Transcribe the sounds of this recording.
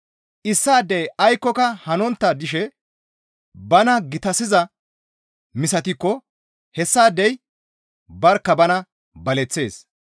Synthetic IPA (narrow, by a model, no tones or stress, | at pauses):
ʔɪsːaːd̪ːɛjɐjkːɔkɐhɐnɔnt̪ːɐd̪ɪʃɛ | bɐnɐɡɪt̪ɐsɪzɐ | mɪsɐt̪ɪkːɔ | hɛsːaːd̪ːɛj | bɐɾkːɐbɐnɐ | bɐlɛt͡sːe̞ːs